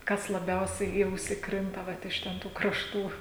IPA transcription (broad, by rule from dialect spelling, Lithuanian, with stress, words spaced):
ˈkɐs lˠɐˈbʲɛʊsʲɛɪ iː ˈɐʊsʲɪ ˈkrʲɪntɐ ˈʋɐt ɪʃ ˈtʲɛn ˈtuː krɐʃˈtuː